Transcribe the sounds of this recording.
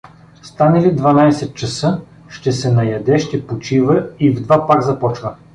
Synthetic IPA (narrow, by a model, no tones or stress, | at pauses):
st̪anəlid̪vɐnajsɛt̪̚t͡ʃɐsɤ | ʃt̪ɛsɛnɐjɐd̪ɛʃt̪ɛpot͡ʃivəivd̪vapaɾzɐpɔt͡ʃvə